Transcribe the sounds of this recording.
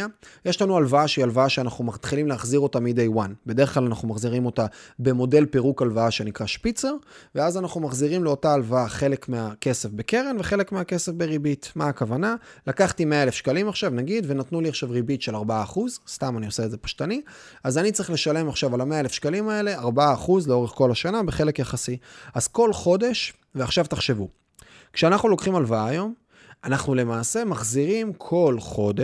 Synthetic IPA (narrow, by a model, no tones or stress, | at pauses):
jeʃlanualvaaʃialvaaʃeanaχnumat̪χilimleaχziʁo̞tamid̪ejwanbedeχklalanaχnumaχziʁimo̞tabe̞mo̞de̞lpeʁukalvaaʃe̞nikʁaʃpit͡se̞ʁveazanaχnumaχziʁimleo̞taːlvaaχe̞le̞kmeake̞se̞fbe̞ke̞ʁenveχe̞le̞kmeake̞sefbeʁibitmaːkavanalakaχtime̞aelefʃkalimaχʃavnaɡidve̞natnuliaχʃavʁibitʃelaʁbaaːχuzst̪amanio̞seedze̞pḁʃtani | azanitt͡saʁiχle̞ʃale̞maχʃavalame̞aelefʃkalimae̞le̞aʁbaaːχuzleo̞ʁeχko̞laʃanabeχe̞lekjaχasiaz̥ko̞lχo̞de̞ʃ | veaχʃavt̪aχʃe̞vu | kʃeanaχnulo̞kχimalvaaːjo̞m | anaχnule̞maːse̞maχziʁimkʰo̞lχo̞de